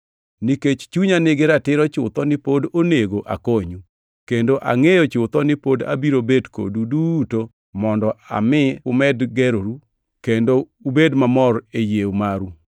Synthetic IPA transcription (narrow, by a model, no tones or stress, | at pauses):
niket͡ʃt͡ʃuɲanɪɡɪɾatɪɾɔt͡ʃʊt̪ɔnɪpodoneɡoʔa̰koɲu | kendoʔa̰ŋejɔt͡ʃʊt̪ɔnɪpoda̰biɾobedko̰duduto | mɔndɔʔa̰mɪʊmɛdɡɛɾoɾu | kendo | ubedmamɔrejewmaɾu